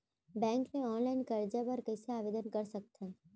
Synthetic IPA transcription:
bɛ̃ŋkneɔnlainkəɾd͡ʒapəɾkəjseaʋed̪ənkəɾsək̚t̪ʰə̃

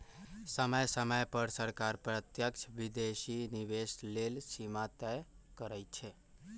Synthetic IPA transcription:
səməjsəməjpəɾsəɾkaɾpɾət̪jəkt͡ʃʰbid̪esiniʋeslelsimat̪ɛjkəɾəjt͡ʃʰe

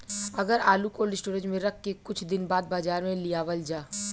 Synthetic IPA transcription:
ɐɡəɾaːlukolɖɪsʈoːɾə̃ʈmẽɾɐk̚ʰːekʊt͡ʃʰd̪ɪnbaːd̪̚baːzaːɾmẽlijaːʋəld͡ʒaː

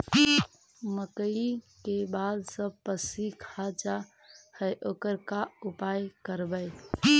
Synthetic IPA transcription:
məkəikebad̪sə̃pəsikʰad͡ʒa | həjʔoːkəɾkaupajkəɾbəɪ

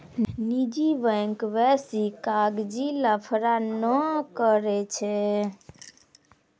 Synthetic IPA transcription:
nid͡ʒiʋəŋkʋɛsikaɡd͡ʒiləpʰɾanəkəɾɛt͡ʃʰɛ

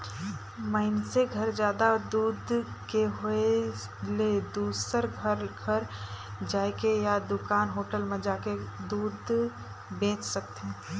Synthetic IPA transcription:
məɪnseɡʱɐɾd͡ʒjaːd̪ad̪uːd̪ | keɦʊe | led̪uːsəɾɡʱəɾɡʱəɾd͡ʒaːekejad̪ʊkaːnɦoːʈəlmẽd͡ʒaːked̪uːd̪ | bẽːt͡ʃsɐk̚t̪eɦɛ̃ː

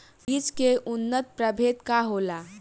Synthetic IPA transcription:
biːd͡ʒkeʔunːət̪̚pɾəbʱet̪kaɦola

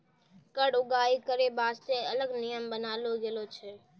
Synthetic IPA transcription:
kəɽʊɡaːikəɾebaːst̪eɐləɡnijəmbənaːloɡelot͡ʃʰɛː

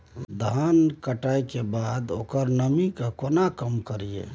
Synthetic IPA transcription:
d̪ʱankəʈajkebad̪okəɾnəmikakonakəmkəɾijḛ

